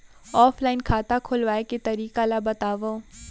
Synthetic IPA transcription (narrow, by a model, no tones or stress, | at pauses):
ɔːfʰlaːɪnkʰaːt̪akʰʊlʋaːeket̪ɐɾiːkalabɐt̪aːʋoː